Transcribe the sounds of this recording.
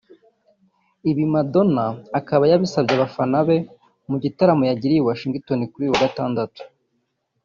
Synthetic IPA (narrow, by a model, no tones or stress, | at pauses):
iβimado̞naːkaβajaβisabjaβafanaβe | muɟitaɾamojaɟiɾiwaʃiŋɡitonikuɾiːwaɡataːndatu̥